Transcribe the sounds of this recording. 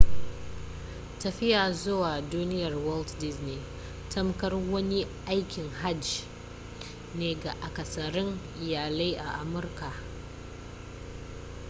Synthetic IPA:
tɐ˨ɸɪ˦jaː˨zʊ˦waː˨duː˦nɪ˦jɐ˨rwɔ˦ltdɪ˦zni˦ | tʰɐ˦mkɐ˦rwɐ˦ni˦ʔa˦jkʲɪ˨ŋɦa˦d͡ʒ | neː˨ɡa˨ʔa˨kɐ˨sɐ˨ɾɪ˦ŋʔɪ˨jaː˨le˦jʔa˨ʔa˨mʊ˦rka˨

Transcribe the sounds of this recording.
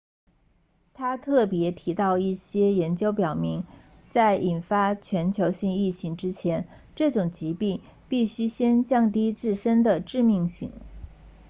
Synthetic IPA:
t̪ʰa˥t̪ʰɤ˥˩pjɛ˧˥t̪ʰi˧˥t̪ɑ˥˧ʊi˥˩ɕjɛ˥jɛ˧˥nt͡ɕjo˥ʊpjɑ˨˩ʊmi˧˥ŋ | t͡sa˥˩ɪʔi˨˩nfa˥t͡ɕʰɥɛ˧˥nt͡ɕʰjo˧˥ʊɕi˥˧ŋi˥˩t͡ɕʰi˧˥ŋʈ͡ʂɻ̩˥t͡ɕʰjɛ˧˥n | ʈ͡ʂɤ˥˩ʈ͡ʂʊ˨˩ŋt͡ɕi˧˥pi˥˧ | pi˥˩ɕy˥ɕjɛ˥nt͡ɕjɑ˥˩ŋt̪i˥t͡sɹɻ̩˥˩ʂə˥nd̪ə˨ʈ͡ʂɻ̩˥˧mi˥˧ŋɕḭ˥˩ŋ

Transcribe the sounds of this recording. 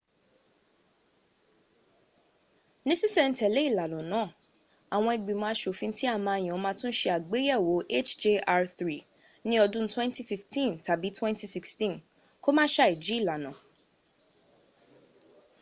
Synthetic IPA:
nĩ˦si˦sɛ˦˨n̩˦tɛ˨le˦i˦˨la˨lɔ̃˨nãː˨˦˨ | a˨w̃ɔ̃˧i˨ɡ͡bĩ˨mãː˧˦ʃo˨fĩ˧n̩˦ti˦a˦˨mã˧˨j̃ã˨˧mã˧tũ˦n̩˦ʃe˧a˨ɡ͡be˨˦jɛ˦˨wo˨˦ʔe˦˨t͡ʃd͡ʒe˧ʔa˧θɾi˨ | nĩ˦ɔ˧dũ˦twɛ̃˦nti˦fi˧ftĩ˦˨nta˨bi˨˦twɛ̃˦nti˧si˧kstĩ˦n | ko˦mãː˦ʃa˦i˨d͡ʒi˨˦i˦˨la˨nã˨

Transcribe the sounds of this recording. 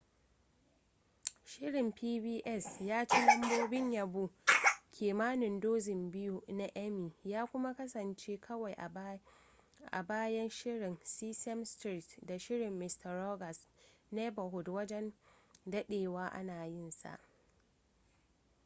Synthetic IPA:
ʃɪ˦ɽɪ˨mpʰiː˦biː˦ʔɛ˦˨sjaː˦t͡ʃe˦lɐ˦mboː˦bɪ˦ɲjɐ˨bu˦kʲʰeː˨maː˦nɪ˨ndoː˦zɪ˨mbɪ˦ju˦na˦ʔɛ˦miː˨jaː˦kʷʊ˦ma˦kɐ˦sɐ˨nt͡ʃeː˦kʰɐ˦wa˨jʔ | ʔa̰˨baː˦jɐ˦nʃɪ˦ɽɪ˨nsiː˦sɛ˦mstɾi˦˨tda˨ʃɪ˦ɽɪ˨mːɪ˨stɐ˨rɾɔ˦ɡɐ˨snɛ˦bɐ˨ɦʊ˨dwɐ˦d͡ʒɛ˦ndɐ˦ɗeː˨waː˦ʔa̰˦naː˨jɪ˦˨nsa̰˨ʔ

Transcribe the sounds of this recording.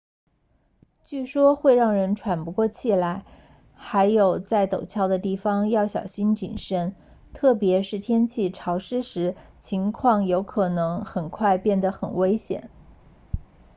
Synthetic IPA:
t͡ɕy˥˩ʂwɔ˥xwe˥˧ɪɻɑ˥˩ŋɻə˧˥nʈ͡ʂʰwa˨˩npu˧˥kwɔ˥˧t͡ɕʰi˨˩la˧˩ɪ | xa˧˥ɪjo˨˩ʊt͡sa˥˩ɪt̪o˨˩ʊt͡ɕʰjɑ˥˩ʊd̪ə˧t̪i˥˩fɑ˩ŋjɑ˥˩ʊɕjɑ̰˨˩ʊɕi˥nt͡ɕḭ˨˩nʂə˥n | t̪ʰɤ˥˩pjɛ˧˥ʂɻ̩˥˩t̪ʰjɛ˥nt͡ɕʰi˥˩ʈ͡ʂʰɑ˧˥ʊʂɻ̩˥ʂɻ̩˧˥ | t͡ɕʰi˧˥ŋkʰwɑ˥˩ŋjo˧˥ʊkʰɤ˨˩nɤ˧˥ŋxə˨˩nkʰwa˥˧ɪpjɛ˥˩nd̪ə˩xə˨˩nwe˥ɪɕjɛ̰˨˩˦n

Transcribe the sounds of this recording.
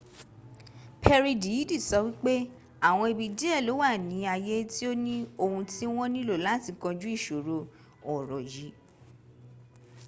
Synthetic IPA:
pʰɛ˧ɾi˧di˨˦di˦˨sɔ˧wi˦k͡pe˦ | a˦˨w̃ɔ̃˧i˧˨bi˧d͡ʒi˦ɛ˦˨lo˨˦wa˦˨nĩ˨˦a˧je˦ti˦o˦nĩ˦o˧hũ˧ti˦w̃ɔ̃˦nĩ˦lo˦˨la˨˦˨ti˨˧kɔ̃˧d͡ʒu˦i˦˨ʃo˨ɾo˧ | ɔ˨ɾɔ˨ji˨˦

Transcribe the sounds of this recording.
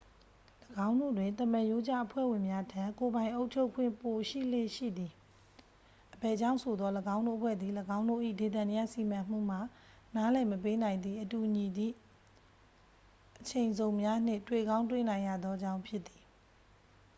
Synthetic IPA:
ləɡã˦ʊ̃ndo̰˦˨dwɪ̃˨nt̪ə˨ma˨jo˦d͡ʑa̰˦ʔəpʰwɛ̰˦˨wɪ̃˨mja˦tʰã˦˨ko˨bã˨ɪ̃ʔo˦ʊʔt͡ɕʰo˦ʊkʰwɪ̰̃˦˨mpo˨ʃḭ˦˨le˦˨ʃḭ˦˨d̪ði˨ | ʔəbɛ˨d͡ʑã˦˨sʰo˨d̪ðɔ˦ləɡã˦ʊ̃ndo̰˦˨ʔpʰwɛ̰˦˨d̪ði˨ləɡã˦ʊ̃ndo̰˦˨ʔḭ˦˨de˨t̪ã˨nɪ˦ja̰˦˨si˨mã˨m̥ṵ˦˨m̥a˨ | na˦lɛ˨məp̬e˦nã˨ɪ̃nd̪ði˨ʔətu˨ʔɲi˨d̪ðḭ˦˨ | ʔət͡ɕʰẽ˨ɪ̃nzõ˨ʊ̃mja˦n̥ɪ̰̃˦˨twe˦˨ɡã˦ʊ̃twḛ˦˨nã˨ɪ̃ja̰˦˨d̪ðɔ˦d͡ʑã˦ʊ̃mpʰjɪ˦t̪ːi˨

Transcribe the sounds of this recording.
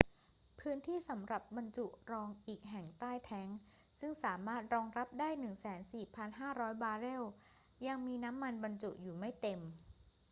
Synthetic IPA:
pʰɯː˦˥nt̪ʰiː˥˩sa˩˦mɾa˨˩p̚ba˧nt͡ɕu˨˩ʔɾɔː˧ŋʔiː˨˩k̚ɦɛ˨˩ŋt̪aː˥˩jt̪ʰɛ˦˥ŋ | sɯ˥˩ŋsaː˩˦maː˥˩t̪̚ɾɔː˧ŋɾa˦˥p̚daː˥˩jnɯ˨˩ŋsɛː˩˦nsiː˨˩pʰa˧nɦaː˥˩ɾɔː˦˥jbaː˧ɾe˥˩w | ja˧ŋmiː˧na˦˥mːa˧nba˧nt͡ɕu˨˩ʔ̚juː˨˩ma˥˩jt̪e˧m

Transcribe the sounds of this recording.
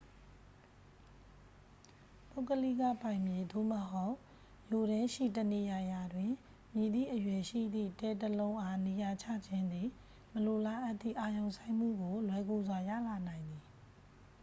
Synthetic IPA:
po˦˨kəli˦ɡa˦˨pã˨ɪ̃mje˨d̪o̰˦˨məɦo˦ʊʔ | jo˨ɾɪ̃˦ʃḭ˦˨təne˨ja˨ja˨dwɪ̃˨ | mji˨d̪ḭ˦˨ʔəjwɛ˨ʃḭ˦˨d̪ðḭ˦˨tɛ˦˨təlõ˦ʔa˦ne˨ja˨t͡ɕʰä̰˦˨d͡ʑɪ̃˦nd̪i˨ | məlo˨la˨ʔt̪ːðḭ˦˨ʔa˨jõ˨ʊ̃sʰã˦ɪ̃m̥ṵ˦˨ɡo˨lwɛ˦ɡo˦˨zwa˨jä̰˦˨la˨nã˨ɪ̃nd̪i˨

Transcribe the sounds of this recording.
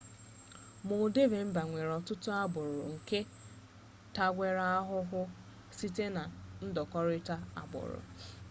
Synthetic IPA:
mʊ˨de˦ve˨m̩˦ba˨ŋʷe˨ɾɔ˨tʊ˦tʊ˦a˦bʊ˨ɾʊ̰˨ŋ̩˨ke˦ | ta˦ɡʷe˨ɾa˦a˦ɦʊ˦ɦʊ˦ | si˦te˦na˨n̩˦dɔ˨kɔ˦ɾɪ˦ta˦a̰˨bʊ̰˨ɾʊ̰˨

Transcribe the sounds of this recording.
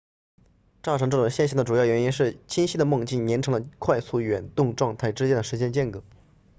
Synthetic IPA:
ʈ͡ʂɑ˥˩ʈ͡ʂʰɤ˧˥ŋʈ͡ʂɤ˥˩ʈ͡ʂʊ˨˩ŋɕjɛ˥˧nɕ̬jɑ˥˩ŋd̪ə˩ʈ͡ʂu˨˩jɑ˥˩ʊɥɛ˧˥ni˥nʂɻ̩˥˩t͡ɕʰi˥nɕi˥d̪ə˨mɤ˥˧ŋt͡ɕi˥˩nnjɛ˧˥nʈ͡ʂʰɤ˧˥ŋlə˧kʰwa˥˧ɪsu˥˩ɥɛ˨˩nt̪ʊ˥˧ŋʈ͡ʂwɑ˥˧ŋt̪ʰa˥˩ɪʈ͡ʂɻ̩˥t͡ɕjɛ˥nd̪ə˩ʂɻ̩˧˥t͡ɕjɛ˥˧nt͡ɕjɛ˥˩nkɤ˧˥˦

